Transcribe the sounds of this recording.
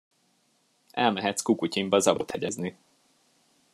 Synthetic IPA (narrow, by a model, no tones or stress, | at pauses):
ʔɛlmɛɦɛt̪skukucimbɒzɒbot̪hɛɟɛzni